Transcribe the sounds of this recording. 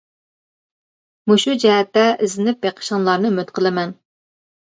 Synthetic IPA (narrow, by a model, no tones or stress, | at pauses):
muʃud͡ʒɛɦɛt̪ːɛʔɪzɪnɪp̚beqʰə̥ʃɑnlˠɑɾnɨmøt̪qʰəlˠɪmɛn